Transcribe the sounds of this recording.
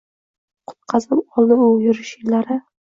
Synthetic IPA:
qʰʊ̥t̪̚qʰɑzɪlɒlˠd̪ɪojʊɾɪʃɪlaɾɪ

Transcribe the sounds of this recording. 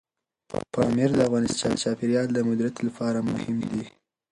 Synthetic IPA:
pɑmiɾd̪əafɣɑnɪst͡ʃɑpɪɾjɑld̪əmʊd̪ɾat̪lapʰɑɾamʊ̰hɪmd̪i

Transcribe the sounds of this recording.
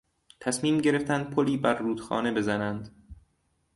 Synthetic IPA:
t̪ʰæsmiːmɟe̞ɾeft̪ænd̪̥̚pʰoliːbæɾːuːd̪̥xɒ̰ːne̞be̞zænænd̪

